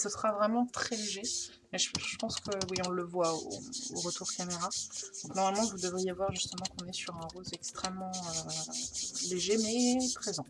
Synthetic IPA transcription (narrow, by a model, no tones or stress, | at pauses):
səsχavʁɛmɑ̃t̪χɛleʒe | mɛʒʒəpɑ̃skəwiɔ̃ləvwao̰oʁət̪uʁkameʁad̪̥ɔ̃knɔʁmalmɑ̃vud̪əvʁijevwaʁʒyst̪əmɑ̃kɔ̃nɛsyʁɛ̃ʁozɛkst̪χɛmːɑ̃ø | leʒemɛpχezɑ̃